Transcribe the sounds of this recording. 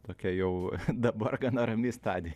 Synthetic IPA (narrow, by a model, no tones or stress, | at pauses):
t̪oːkʲɛjɛʊd̪ɐbɐrɡɐnɐɾɐmʲiːst̪ɑːd̪ʲe